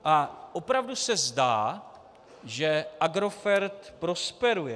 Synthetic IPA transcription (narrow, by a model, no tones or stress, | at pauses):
ʔaʔopɾavdusɛzdaː | ʒɛʔaɡɾo̞fɛɾt̪pɾo̞spɛɾujɛ